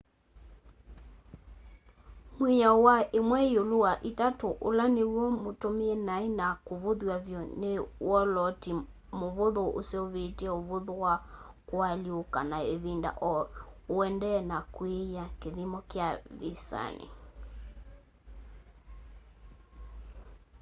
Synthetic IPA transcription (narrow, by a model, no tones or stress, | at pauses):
mwijawaʔemwɛeoloaʔitatoʔolanewɔmotomeɛnaenakoβoðwavjɔnewɔlɔti | moβoðoʔo̰seoβetɛoβoðowa | kwaljokanaeβinda̰ʔɔoɛndɛnakwejakeðimɔkjaðisa̰nḛ